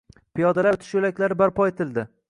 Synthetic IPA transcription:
pijɒd̪alat̪ʰɪʃjolakʲlaɾɪbaɾpʰɒet̪ʰɪld̪ɪ

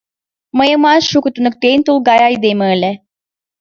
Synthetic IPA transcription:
məjəmɑʃukut̪unək̚t̪ejnʲt̪ulˠɡɑjɑjd̪ejməəlʲe

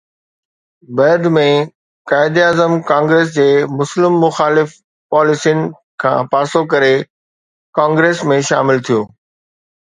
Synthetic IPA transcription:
bɐɾd̪mẽ | kaːɪd̪iaːzəmkãːŋɡɾeːs̬d͡ʑeːmʊslɪmːʊxaːlɪf | paːlɪsijnɪ̆ | kʰã̰ːpaːsokɐɾe | kãːŋɡɾeːsmẽʃa̰ːmɪlt̪ʰijoː

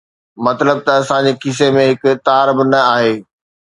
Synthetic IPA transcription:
mɐt̪ləb̚t̪ɐɐsãd͡ʑekʰɪs̬emẽɦɪkʊt̪aːɾbnɐaːɦeː

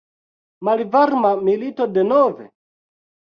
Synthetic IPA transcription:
malivaɾmamilitɔdɛnɔvɛ̰

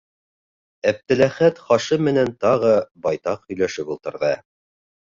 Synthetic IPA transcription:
æp̚t̪ɘ̆læχæt̪χɑʃɤmɘ̆nænt̪ɑʁɤbɑjt̪ɑqhɵ̆jlæʃɘpulˠt̪ɤ̆ɾðɤ

